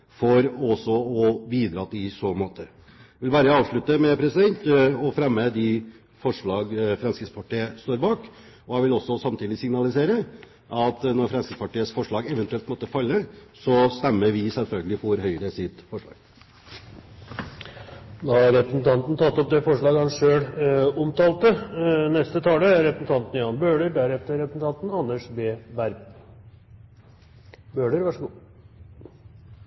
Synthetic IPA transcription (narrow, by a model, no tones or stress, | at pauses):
fɔɾɔsɔɔbiːd̪ɾɑːt̪ːɪsoːmoːt̪ə | ʋɪlʋæːɾəɑːʋʂɭʉt̪ːəmɛpʰɾɛsɪd̪ɛnt̪ɔfɾɛmːəd̪ɪ | fɔʂɭɑːɡfɾɑnskəspʰɑʈʰeːəst̪oːɾbɑːk | ɔhɑʋɪlɔsːɔsɑmt̪ʰiːd̪ɪsɪŋnɑlɪseːɾə | ʔɑt̪nɔɾfɾɑnskəspɑʈiːəsfɔʂɭɑːɡɛʋənt̪ʉɛlt̪mɔt̪ːəfɑlːəsɔst̪ɛmːəɾʋɪsɛlfœlɡəlɪfɔɾɦœʏəɾəsɪt̪fɔʂɭɑ̰ːɡ̥ | d̪ɑːɑɾɾɛpɾəsnt̪ʰɑnt̪n̩t̪ʰɑt̪ːɔp̚d̪ɛfɔʂɭɑːɡhɑnʂøːɽɔmt̪ɑːlt̪ənɛst̪ət̪ʰɑːləæɾɾɛpɾəsn̩t̪ɑnt̪n̩jɑːnbøːɖəɾɖ̪æɾɛft̪əɾɛpɾəsn̩t̪ɑnt̪n̩ɑnːəʂbeːʋæɾb | bøːɖəɾʋɑʂəɡuː